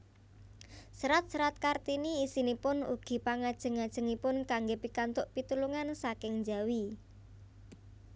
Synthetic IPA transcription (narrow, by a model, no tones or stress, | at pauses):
səɾat̪̚səɾat̪̚kart̪iniːsinipʊnṵɡ̥i̤paŋad̥ʒ̥ə̤ŋad̥ʒ̥ə̤ŋipʊnkaŋɡepikant̪ʊʔpit̪uluŋansakɪŋd͡ʒawi